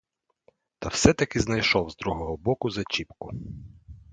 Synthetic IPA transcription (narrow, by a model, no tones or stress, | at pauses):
t̪ɐwsɛt̪ɐkɪznɐjʃɔwzd̪ɾuɦɔɦɔbɔkʊzɐt͡ʃipkʊ